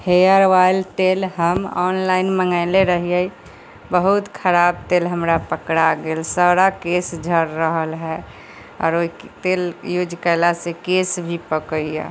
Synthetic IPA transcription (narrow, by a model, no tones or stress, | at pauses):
heəɾʋaɪlt̪eːlɦəmɔ̰ːnlaɪnməŋɡaɪleɾəɦijəi | bəɦut̪kʰəɾaːbt̪eːlɦəmɾapəkɽaɡelsaːɾakesd͡ʒʱəɾɾəɦəlɦɛ | ɔ̰ːɾoit̪eːljud͡ʒkəɪlasekeːsbʱipəkəiɛ̰